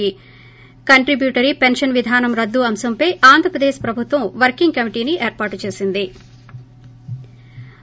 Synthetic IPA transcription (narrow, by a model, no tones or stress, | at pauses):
i | kɐɳʈɾibjuːʈɐɾipenʂɐnʋid̪ʱaːnɐmɾɐd̪ːuɐmsɐmpɐjʔaːnd̪ʱɾɐpɾɐd̪eːʃpɾɐbʱut̪ʋɐmʋɐɾkiŋɡkɐmiʈiːniʔeːɾpaːʈut͡ʃe̞ːsind̪i